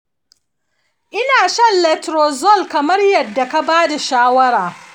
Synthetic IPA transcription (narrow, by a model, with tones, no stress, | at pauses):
ʔɪ˦naː˨ʃɐ˦nlɛ˨tɾoː˨zɔ˦˨lkɐ˨mɐ˦rjɐ˨dːa˨ka˦baː˦da˨ʃaː˦wɐ˦ɾaː˨